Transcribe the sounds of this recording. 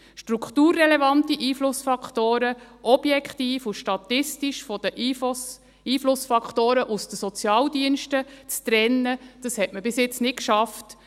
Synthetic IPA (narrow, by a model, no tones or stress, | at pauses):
ʃtɾukχtuːrːɛlɛvɑntiʔiːflʊsfɑkχtoːɾəʔɔb̥jɛkχtiːfuʃtɑt̪ɪstiʃfɔd̥əʔ | iːflʊsfɑkχtoːɾəʔusd̥əsɔt͡sjɑːldiənʃtət͡st̪ɾɛnːəd̥ɑshɛtməbɪsjɪt͡snɪtkʃɑft